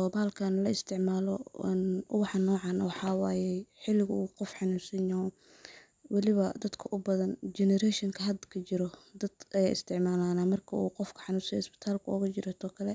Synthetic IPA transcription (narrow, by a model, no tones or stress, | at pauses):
ɔbaːlkʰɐnlɐɪst̪ʰɪʕmaːlɔnʊ̰wɑħɑnːɔːʕɑnɐwɑħɑːwaːjɛħɪlɪɣʊuːqɔfħɑnuːsɪna | wɑlɪβɐd̪ɐd̪kʰɐʔʊbɐðɐnd͡ʒɛnɛɾɛʃɪŋkʰɐɦɐd̪kʰɐt͡ʃɪɾɔd̪ɐd̪ʔɐjaːʔɪst̪ʰɪʕmaːlaːnaːmɐrkʰɐuːqɔfkʰɐ̥ħɑnuːsɐjɔɪsbɪ̥t̪ʰaːlkʰʊɔ̰ɣɐt͡ʃɪɾɐt̪ʰɔːkʰɐlɛ